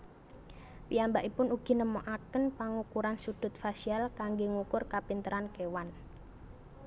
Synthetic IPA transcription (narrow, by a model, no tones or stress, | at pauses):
piambaʔipʊnuɡ̥i̤nəmɔʔakənpaŋukuɾansud̪̥ʊ̤t̪̚fasialkaŋɡeŋukʊrkapint̪əɾankewan